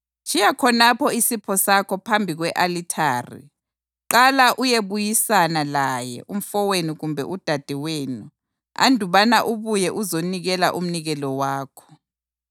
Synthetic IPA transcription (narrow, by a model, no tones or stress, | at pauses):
t͡ʃʰijakʰɔnapʰɔisipʰɔsakʰɔpʰambʱiɣwɛʔalitʰaːrḭ | ǃalaʔujeβujisanalajɛ̰ʔum̩fɔweniɣumbʱɛ̰ʔud̥ʱad̥ʱiweːnu | a̰ndʱuβanaʔuβujɛʔuzoniɣɛla̰ʔum̩niɣɛlɔwaːkʰɔ̥